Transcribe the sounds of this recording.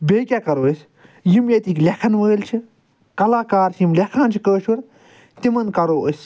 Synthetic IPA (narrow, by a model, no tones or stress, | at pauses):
beːkʲakɐɾoːsʲ | jimjɐt̪iklʲekʰɐnʋəːlt͡ʃʰi | kɐlaːkaːɾsʰjimlʲekʰãːnt͡ʃʰikəːʃuɾ | t̪imɐnkɐɾoːʔəsʲ